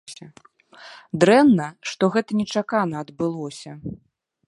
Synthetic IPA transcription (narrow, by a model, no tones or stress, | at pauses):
sʲɐ | d̪ɾɛnːɐʂt̪ɔɣɛt̪ɐnʲɛt͡ʂakanɐːd̪bɨlˠɔsʲɐ